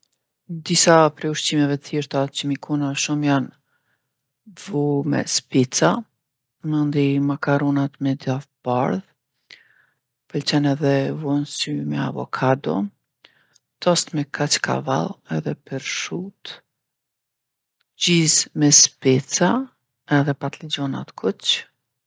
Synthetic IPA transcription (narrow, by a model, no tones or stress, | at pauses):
d̪isapɾɛuʃt͡ɕimɛvɛt̪θiɾt̪at͡ɕəmikʰunaʃumjan | vumɛ̰spit͡sa | mənd̪imakaɾɔnat̪mɛd̪jafbaɾð | pəlt͡ɕɛnɛðɛvɔnsymɛa̰vɔ̰kʰad̪ɔ̰ | t̪ɔst̪mɛkʰat͡ʃka̰va̰lˠɛðɛpɛɾʃut̪ | d͡ʑizmɛspit͡sa | ɛðɛpat̪lid͡ʑɔna̰t̪kʰut͡ɕ